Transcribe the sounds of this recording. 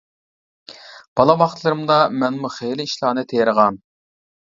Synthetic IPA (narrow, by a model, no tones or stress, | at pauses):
b̥ɑlˠɑwɑχt̪ʰlˠɨɾɨmd̪ɑmɛnmuχelɪiʃlˠɑːnɨt̪ʰejɾəʁɑn